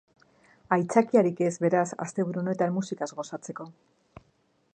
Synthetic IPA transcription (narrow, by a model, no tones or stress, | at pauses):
ajt͡sakiaɾike̞zβe̞ɾasa̰st̪e̞βuɾuone̞t̪anmusikazɣo̞sat͡se̞ko̞